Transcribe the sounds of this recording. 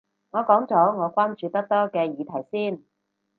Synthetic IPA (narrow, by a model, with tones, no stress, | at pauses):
ŋɔː˨˧kɔː˨˥ŋt͡sɔː˨˥ŋɔː˨˧kʷwaː˥nt͡ʃyː˧t̪ɐ˥k̚t̪ɔː˥kɛː˧jiː˨˧t̪ʰɐ˨˩jsiː˥n